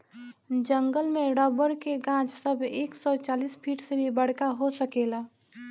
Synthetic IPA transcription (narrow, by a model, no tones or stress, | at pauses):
d͡ʒə̃ŋɡəlmẽɽɔːbəɾkeɡãːt͡ʃsɐbʱeːksɔt͡ʃaːliːspʰiːʈsebʱibɐɽ̤kaɦosəkeːlaː